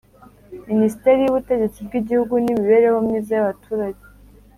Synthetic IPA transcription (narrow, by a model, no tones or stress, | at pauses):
minisite̞ɾijuβute̞ɟe̞t͡sibɡiɟihuɡunimiβe̞ɾe̞homɲiːzajaβatʰuːɾaɟe